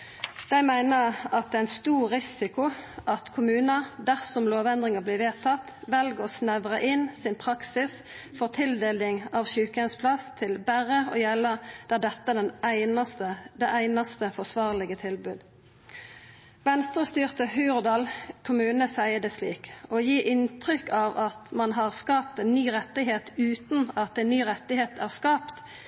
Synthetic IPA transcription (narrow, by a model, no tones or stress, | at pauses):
d̪̥æɪmæɪnəʁɑt̪̚d̪ɛːæɪnst̪uːʁɪsɪkʊʔɑt̪kʰʊmʉːnəd̪æʁsɔmloːʋɛnd̪ʁɪŋəbliːʋeːt̪ʰɑt̪ʋɛlɡəɔsnæʋʁəʔɪnsɪnpʰʁɑksɪs | fɔʁt̪ʰɪld̪eːlnɪŋɑːʋʃʉːkəənspʰlɑst̪ʰɪlbæʁəoːjɛlːəʁd̪̥ɛd̪ɛt̪ːəæd̪ɛnæɪnɑst̪əd̪ɛʔæɪnɑst̪əfɔʁsʋɑːʁlɪɡət̪ʰɪlbʉːd̪ | ʋɛnst̪ʁəst̪yːʁt̪əhʉːʁd̪ɑːlkʰʊmʉːnəsæɪəd̪ɛslḭːkojiːʔɪnt̪ʁʏkːɑʋɑt̪mɑnɦɑʁskɑːp̚t̪ɛnnyːʁɛt̪ːɪɦeːt̪ʉːt̪nɑt̪̚ɛnːyːʁɛt̪ɪheːt̪æʁskɑːpt̪